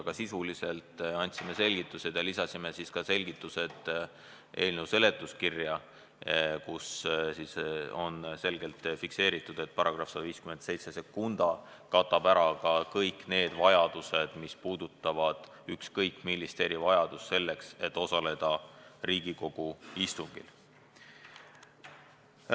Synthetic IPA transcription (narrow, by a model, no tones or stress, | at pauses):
ɡ̥ɑsisulise̞lt̪ɑnʲt̪sime̞se̞lɡ̥it̪ːˑuse̞d̪̥jɑlisɑsime̞siskɑse̞lɡ̥it̪ːˑuse̞d̪̥ | ʔe̞ːlnewse̞le̞t̪ːˑuskirjɑ | kussiso̞̰nse̞lɡ̥e̞lt̪fikse̞ːɾit̪ːˑud̪̥e̞t̪̚ːpɑɾɑɡ̥rɑfsɑd̪ɑviːskymend̪se̞jt̪sese̞kːund̪̥ɑ | kɑt̪ːˑɑb̥æɾɑkɑkɤjkːˑne̞ːd̪̥vɑjɑd̪̥use̞d̪̥mispuːd̪̥ut̪ːˑɑvɑd̪̥ | ykskɤjkːˑmilːist̪e̞ːɾivɑjɑd̪̥usse̞lːe̞kse̞t̪ːo̞sɑle̞d̪̥ɑriːɡ̥iko̞ɡ̥uist̪uŋɡ̥ḭl